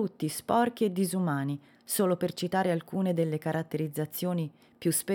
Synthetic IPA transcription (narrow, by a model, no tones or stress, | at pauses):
ut̪ːispɔrk̟ied̪ːizumaːni | soːlopert͡ʃit̪aːɾealkuːned̪elːekaɾʔat̪ːeɾid̪zːat̪sːjoːni | pjuspe